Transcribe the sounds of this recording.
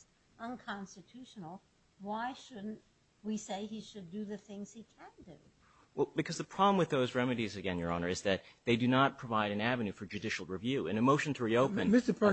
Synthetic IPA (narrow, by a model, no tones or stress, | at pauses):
ʔə̃nkʰɑ̃nstɨtʰʉʃnl̩ˠ | waɪʃʊdⁿn̩t | wiseɪiʃɨdɨðɨθɪ̃ŋz̥hikʰɨ̃ndʉ | wɛlˠbɨkʰʌzðəpʰɹ̥ɑblə̃mwɨðoʊzɹɛmɨɾizɨɡɛ̃njə˞ɑnə˞ɨzðɨt̪̚ðeɪdɨnət̚pʰɹ̥əvaɪɾɨ̃nævɨ̃nʉfə˞d͡ʒʉdɪʃl̩ˠɹɨvjʉɨ̰̃nɨmoʊʃɨ̃n̩tʰəɹioʊpɨ̃nmɪstə